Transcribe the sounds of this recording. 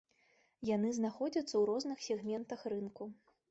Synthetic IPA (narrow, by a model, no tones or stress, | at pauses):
janɨznaxɔd͡zʲɐt̪sːɐwɾɔznɨxsʲɛɣmʲɛnt̪ɐxrɨnku